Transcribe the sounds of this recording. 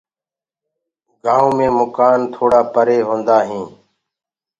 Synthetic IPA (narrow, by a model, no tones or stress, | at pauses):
ɡãːũːmẽːmʊkaːnt̪ʰoːɽaːpəɾeːɦõːnd̪aːɦĩː